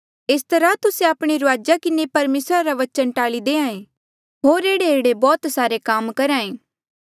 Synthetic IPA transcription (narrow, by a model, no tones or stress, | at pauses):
ɪst̪ɐɾat̪ʊsẽaːpɽ̃iɾʊaːd͡ʒakɪnepɐɾmeːsɾaɾaʋɐt͡ʃənʈaːɭid̪eːãːẽ | ɦoːɾeːɽeeːɽebɔːt̪saːɾekaːmkɐɾãːẽː